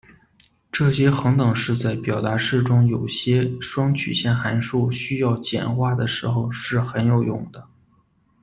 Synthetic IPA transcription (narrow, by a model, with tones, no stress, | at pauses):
ʈ͡ʂɤ˥˩ɕjɛ˥xɤ˧˥ŋt̪ɤ˨˩ŋʂɻ̩˥˧t͡sa˥˩ɪpjɑ˨˩ʊt̪a˧˥ʂɻ̩˥˩ʈ͡ʂʊ˥ŋjo˨˩ʊɕjɛ˥ʂwɑ˥ŋt͡ɕʰy̰˨˩ɕjɛ˥˩nxa˧˥nʂu˥˩ɕy˥jɑ˥˩ʊt͡ɕjɛ̰˨˩nxwa˥˩d̪ə˩ʂɻ̩˧˥xo˧ʊʂɻ̩˥˩xə˧˥njo˨˧˩ʊjʊ̰˥˩ŋd̪ə˦